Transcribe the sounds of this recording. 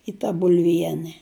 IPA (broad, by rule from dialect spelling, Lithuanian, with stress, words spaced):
ɪ tɐ bʊlʲˈʋʲiɛnʲɛ